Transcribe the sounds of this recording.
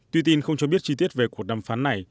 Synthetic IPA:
t̪wi˧t̪i˧nxə˧wŋ͡mt͡ɕɔ˧ɓi˦˥ət̚t͡ɕi˧t̪i˦˥ət̚ve˨˩ku˧˩ək̚ɗaː˧˩mfaː˨˦nːa˨˩j

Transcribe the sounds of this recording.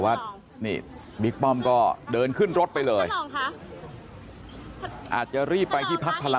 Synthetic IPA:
wa˦˥t̪̚ | niː˧˩ | bi˦˥k̚pɔ˥˩mkɔː˥˩dɤː˧nkʰɯ˥˩nɾo˦˥t̪̚pa˧jlɤː˧j | ʔa̰ː˨˩t̪̚t͡ɕa˨˩ʔɾiː˥˩pːa˧jt̪ʰiː˥˩pʰa˦˥k̚pʰa˧la˧

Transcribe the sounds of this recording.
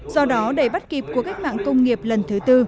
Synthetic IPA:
zɔ˧ɗɔ˨˦ɗə˧˩jɓa˦˥t̚ki˨˩p̚ku˧˩əka˦˥k̟̚ma̰ː˧˨ŋkə˧wŋ͡mŋi˨˩əp̚lə˨˩nt̪ʰɨ˨˦t̪ɨ˧

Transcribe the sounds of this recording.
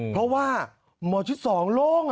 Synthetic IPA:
pʰɾɔ˦˥waː˥˩ | mɔː˧˩t͡ɕʰi˦˥t̪̚sɔː˨˩˦ŋloː˥˩ŋ

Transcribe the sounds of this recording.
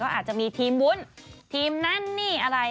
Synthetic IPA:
kɔː˥˩ʔaː˨˩t͡ɕa˨˩ʔmiː˧t̪ʰiː˧mwu˦˥nt̪ʰiː˧mna˥˩nːiː˥˩ʔa˧ɾa˧

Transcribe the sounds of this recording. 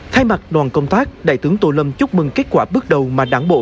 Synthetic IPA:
t̪ʰaː˧jma˨˩t̚ɗwaː˨˩nkə˧wŋ͡mt̪aː˦˥k̚ɗa̰ː˧˩jt̪ɨ˨˦əŋt̪o˧˩lə˧mt͡ɕʊ˦˥k͡p̚mɨ˨˩ŋke˦˥t̚kwaː˧˩ɓɨ˦˥ək̚ɗə˨˩wmaː˨˩ɗaː˨˩ŋɓo̰˧˨

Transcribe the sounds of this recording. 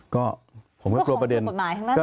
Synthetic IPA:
kɔː˥˩pʰo˩˦mkɔː˥˧klu˧ɐpɾa˧de˧n˨˩t̪̚maː˨˦jt̪ʰa˥ŋna˥kɔ˥˩

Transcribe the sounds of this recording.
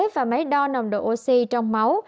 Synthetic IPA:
vaː˨˩ma˨˦jɗɔ˧na˨˩wŋ͡mɗo̰˧˨˩ʔo˧si˧t͡ɕɔ˧wŋ͡mma˨˦w

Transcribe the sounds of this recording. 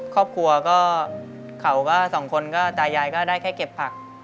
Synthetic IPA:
kʰɔː˥˩p̚kʰu˧ɐkɔː˥˩ | kʰa˩˦wkɔː˥˩sɔː˩˦ŋkʰo˧nkɔː˥˩t̪aː˧jaː˧jkɔː˥˩daː˥˩jkʰɛː˥˩jke˨˩pʰːa˨˩k̚

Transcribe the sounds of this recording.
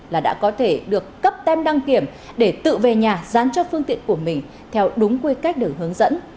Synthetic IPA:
laː˨˩ɗa̰ː˧˥kɔ˨˦t̪ʰe˧˩ɗɨ˨˩əkːə˦˥p̚t̪ɛ˧mɗa˧ŋki˧˩əm | ɗe˧˩t̪ɨ̰˧˨ve˨˩ɲaː˨˩zaː˨˦nt͡ɕɔ˧fɨ˧əŋt̪ḭ˧˨ənku˧˩əmï˨˩ŋ̟ | t̪ʰɛ˧wɗʊ˨˦ŋ͡mkwi˧ka˦˥jk̚ɗəː˨˩ɦɨ˨˦əŋzə̰˧˥n

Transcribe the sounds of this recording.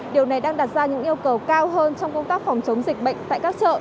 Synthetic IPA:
ɗi˨˩əwna˨˩jɗaː˧ŋɗa˨˩t̚zaː˧ɲɨ̰˧˥ŋʔi˧əwkə˨˩wkaː˧wɦəː˧nt͡ɕɔ˧wŋ͡mkə˧ŋ͡mnt̪aː˦˥k̚fɔ˨˩wŋ͡mt͡ɕə˨˦wŋ͡mzi˨˩k̟̚ɓə̰˧˨jŋ̟t̪a̰ː˧˨jkaː˦˥k̚t͡ɕə̰ː˧˨

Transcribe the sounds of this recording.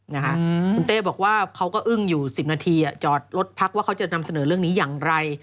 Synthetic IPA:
na˦˥kʰa˦˥ʔku˧nt̪eː˥˩bɔː˨˩k̚waː˥˩kʰa˦˥wkɔː˥˩ʔɯ˥˩ŋjuː˨˩si˨˩p̚naː˧t̪ʰiː˧ʔa˨˩t͡ɕɔː˨˩t̪̚lo˦˥t̪̚pʰa˦˥k̚waː˥˩kʰa˦˥wt͡ɕa˨˩na˧msa˧nɤː˩˦ɾɯ˥˩əŋniː˦˥jaː˨˩ŋɾa˧j

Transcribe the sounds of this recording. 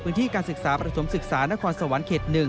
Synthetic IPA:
pʰɯː˦˥nt̪iː˥˩kaː˧nsɯ˨˩k̚saː˩˦pɾa˧t̪ʰo˩˦msɯ˨˩k̚saː˩˦na˦˥kʰɔː˧nsa˧wa˩˦nkʰeː˨˩t̪̚nɯ˨˩ŋ

